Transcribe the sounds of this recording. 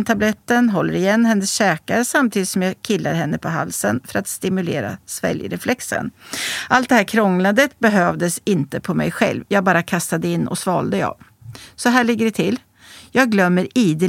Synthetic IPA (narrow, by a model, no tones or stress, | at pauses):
nt̪ʰablɛt̪ːənɦɔlːəɾɪjɛnːɦɛnːəsɕɛːkaɾəsamt̪ʰiːd̪ɪt̪sɔmjɑːkʰɪlːa̰ɾɦɛnːəpʰɔɦa̰lsənfœɾat̪st̪ɪmɵlḛːɾa̰svɛ̰ljɾɛflɛksə̰nʔalt̪d̪ɛhæːɾkʰɾɔŋlad̪ət̪̚bɛɦøːvd̪əsɪnt̪əpʰɔmɛ̰jɧɛ̰lvjɑːɡ̚bɑːɾakʰast̪ad̪əɪnːʔɔ̰svɑ̰ːld̪əɑ̰ːv | sɔɦæːɭɪɡːəɖɛt̪ʰɪlː | jɑːɡ̚ɡlœmːəɾiːd̪ə